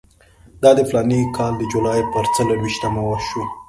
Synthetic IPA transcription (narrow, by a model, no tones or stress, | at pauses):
d̪ɑd̪əflɑnikʰɑld̪əd͡ʒolɑjpəɾt͡səlowiʃt̪amawəʃu